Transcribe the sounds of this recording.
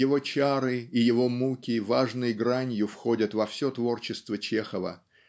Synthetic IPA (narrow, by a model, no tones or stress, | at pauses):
jɪvo̞t͡ɕaɾɨɪjɪvo̞mukʲɪvaʐnɨjəɡɾanʲjʊfxo̞dʲət̪vɐfsʲo̞t̪vo̞rt͡ɕɪst̪vət͡ɕexəvə̰